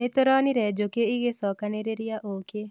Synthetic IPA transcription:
et̪oɾɔniɾɛd͡ʒokeiɡesɔkaneɾeɾijaʔoːke

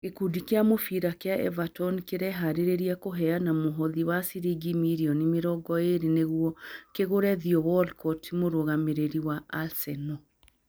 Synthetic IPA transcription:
ɡekudikeamofiɾakeaʔɛ̰vatɔnkeɾɛɦaɾeɾeɾiakoɦɛanamoɦɔðiwasiɾiɡimiɾiɔnimeɾɔɡɔeɾeneɣuɔkeɣoɾɛðiɔwɔlkɔtimoɾoɣameɾeɾiwaalsɛnɔ

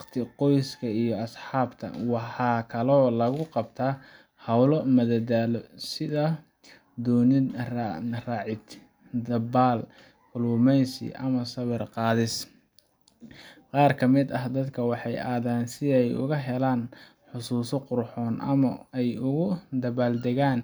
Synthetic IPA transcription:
wqt̪ʰɪqɔjskʰɐijɔɐsħɑːbt̪ʰɐ̰wɑħɑːkʰɐlɔːlɐɣʊqɑbt̪ʰaː | hɐwlɔmɐðɐd̪aːlɔsɪðɐ | d̪ɔːnɪrrɑːʕɪd̪ | d̪ɐbaːl | kʰʊlʊmɛjsɪ̰ʔɐ̰mɐsɐβɛrqɑːðɪs | qɑːrkʰɐmɪd̪ɐɦd̪ɐd̪kʰɐwɑħɑjʔaːðaːnsɪɛjʊ̰ɣɐɦɛlaːn | ħʊsuːsɔqʊɾħɔːnʔɐ̰mɐɛjʊɣʊd̪ɐβaːld̪ɛɣaːn

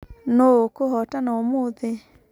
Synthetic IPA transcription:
nokoɦɔtanaomoðe

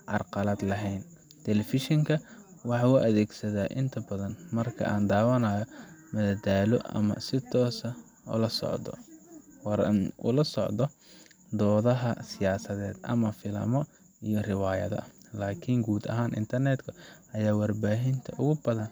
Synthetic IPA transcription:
ʕɑrqɑlɐd̪lɐɦɛjn | t̪ʰɛlɛfɪʃɔŋkʰɐwɑħɑuʔɐðɛːɡsɐðaːʔɪnt̪ʰɐbɐðɐnmɐrkʰɐ̰ʔaːnd̪aːwɐnaːjɔmɐðɐd̪aːlɔ̰ʔɐ̰mɐ̰sɪt̪ʰɔːsɐ | ʊ̰lɐsɔ̰ʕdɔ̰ | nʔʊ̰lɐsɔʕd̪ɔ | d̪ɔːðɐɦɐsɪjaːsɐðɛːd̪ʔɐ̰mɐfɪlɐ̰mɔ | ijɔrɪwaːjɐ̰ðɐ̰laːkʰɪŋɡuːd̪ɐ̰ɦaːnʔɪ̰nt̪ʰɐrnɛd̪kʰɐɐjaːwɑrbaːɦɪnt̪ʰɐʔʊɣʊbɐðɐn

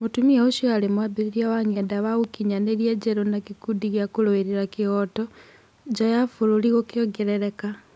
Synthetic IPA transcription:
mutumieuʃalemwabiɾiɾjawaŋedaβaɣukiɲaneɾjed͡ʒeɾonakikudiɣjakuloeɾiɾakioto | d͡ʒajafululiɣokjoɡeɾeɾeka

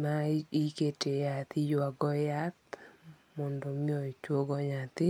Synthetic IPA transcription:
maiketejat̪ɪjwaɡɔjat̪ | mɔndɔmiɔit͡ʃwoɡɔɲat̪ɪ

